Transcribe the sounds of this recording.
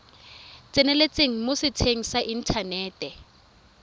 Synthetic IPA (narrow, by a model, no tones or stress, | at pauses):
t͡sʼɪnɛlet͡sʼeŋ̩mʊsɪtʰeŋ̩saʔin̩tʰanɛːtʼɛ